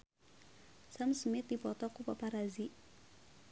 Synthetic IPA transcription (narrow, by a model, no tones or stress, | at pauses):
samsmɪt̪̚dipɔt̪ɔkupapaɾazi